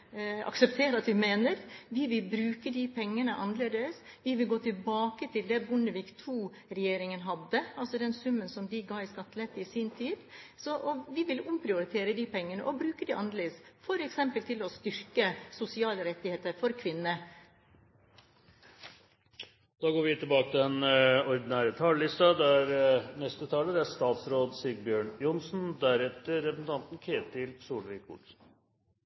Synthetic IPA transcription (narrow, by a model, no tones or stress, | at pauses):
ɑ̰ksɛp̚t̪ʰeːɾɑt̪ʋɪmeːnəɾʋɪʋɪlbɾʉːkəd̪ipʰɛŋːənəʔɑnəleːd̪əs | ʋɪʋɪlɡoːt̪ʰɪlbɑːkət̪ʰɪld̪ɛbʊnəʋiːkt̪ʰuː | ɾɛjeːɾɪŋənɦɑd̪ːəɑlsɔd̪ɛnsʉmːənsɔmd̪ɪɡɑɪskɑt̪ːlet̪ːəɪsɪnt̪ʰiːd̪sɔʔɔʋɪʋɪlʊmpʰɾɪʊɾɪt̪ʰeːɾəd̪ɪpʰɛŋːənə̰ʔɔbɾʉːkəd̪ɪʔɑ̰nəɾleːsfɔɾɛksɛmpəlt̪ʰɪlɔst̪ʏɾkəsʊsɪɑːləɾɛt̪ːɪheːt̪əɾfɔɾkʰʋɪnːə | d̪̥ɑːɡoːɾʋɪt̪ʰɪlbɑːkət̪ʰɪɛnɔɾd̪ɪnæːɾət̪ʰɑːləlɪst̪ɑd̪ɛæɾnɛst̪ət̪ʰɑːləd̪ɛæʂt̪ɑːt̪sɾoːd̪siːɡbjøːɳjʊnsn̩d̪æɾɛt̪əːɛpɾəsn̩t̪ʰɑnt̪n̩kʰeːt̪ʰɪlsuːlʋɪkʰʊ̰ʈsn